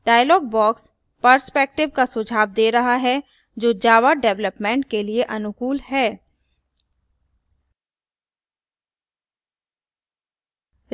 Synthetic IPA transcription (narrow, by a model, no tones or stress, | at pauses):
ɖaːjlɔːɡ̚bɔːks | pəɾspeːk̚ʈɪʋkasʊd͡ʒʱaːʋd̪eːɾɐɦaɦɛ | d͡ʒoːd͡ʒaːʋaɖɛʋləpmɛ̃ːɳʈkelieʔɐnʊkuːlɦɛː